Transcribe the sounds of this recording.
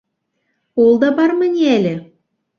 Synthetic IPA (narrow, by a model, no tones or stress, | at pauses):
olˠd̪ɑbɑrmɘ̆nʲælʲɘ̆